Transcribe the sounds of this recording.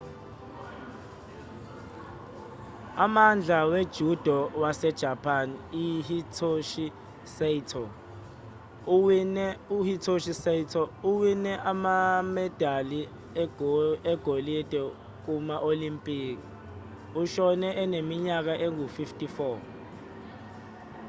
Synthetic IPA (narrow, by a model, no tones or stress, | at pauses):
amand͡ɮʱawed̥ʒ̥ʱud̥ʱɔwasɛd̥ʒ̥ʱapʰaniihitʰoʃi | seitʰɔ | nuhitʰoʃisɛitʰɔuwinɛʔamamɛd̥ʱali | ɛɡ̥ʱolid̥ʱɛ | k̬umaʔolimpʼiːk̬ʼi | uʃɔnɛʔɛnemiɲak̬aʔeŋufiftʼifɔ